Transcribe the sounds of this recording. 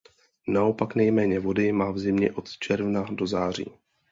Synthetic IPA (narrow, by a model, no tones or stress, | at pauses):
nao̞paknɛjmɛːɲɛvo̞dɪmaːvzɪmɲɛ̰ʔo̞t̪t͡ʃɛɾvnado̞zaːr̝ḭː